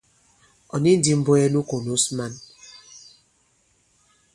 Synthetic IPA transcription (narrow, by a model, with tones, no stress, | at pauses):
ɔ˨ni˦n̩˦di˨m̩˦bo˦ɛ˦nu˦ko˨nu˦sma˦n